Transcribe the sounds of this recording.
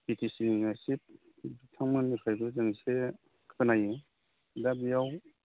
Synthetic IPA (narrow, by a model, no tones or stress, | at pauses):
bitʰisiŋasip̚ | bitʰaŋmɯnmipʰajbɯzɯŋse | kʰɯ̥tanajɯ | dabijaw